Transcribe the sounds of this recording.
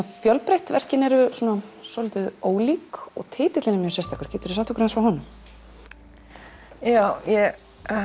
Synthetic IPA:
afjœlpɾejht̪vɛr̥cɪnɛɾʏsuːnasɔlɪjt̪ʏðoːwliːkɔ̰ɣt̪ʰeːt̪ɪt̪lɪnɪmjœsɛst̪ʰaːkʏɾ̥ceːt̪ʏɾɪsaht̪ʰɔkɾansvawhɦɔnʏm | jaːwjɛ

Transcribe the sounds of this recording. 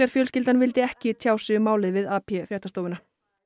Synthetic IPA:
ɛɾ̥fjœːlscɪlt̪anvɪlt̪ɪɛhcɪt̪ʰjaːwsʏmaːwlɪðvɪðaːpʰɛfɾjɛht̪ast̪oːwvɪna

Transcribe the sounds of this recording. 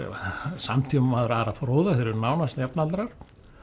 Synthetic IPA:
ɛ̰a̰samt̪ʰiːmmaðʏɾaɾafɾoːwðaθeɾɪɾnaːwnast̪ɛpnalt̪ɾaɾ̥

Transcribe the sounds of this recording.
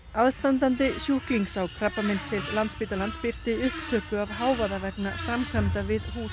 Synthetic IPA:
aðst̪ant̪ant̪ɪsjuhkliŋksawkʰɾapːamɪnst̪ʰɪllant̪spiːt̪alanspir̥t̪ɪʏhp̚t̪ʰœːkʏavɦaːwvaðavɛknafɾamkʰant̪avɪðhuːs

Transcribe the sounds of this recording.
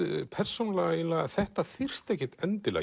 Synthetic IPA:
pʰɛr̥sownalɛɣinlaɣaθɛht̪aθir̥t̪ecːɪt̪ɛnt̪ɪla̰

